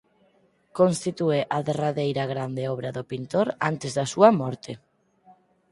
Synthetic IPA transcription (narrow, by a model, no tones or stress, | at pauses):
konst̪it̪ueʔaðeraðejɾaɣ̞ɾand̪eɔβ̞ɾɐðopint̪oɾant̪ezðɐsuɐmɔɾt̪e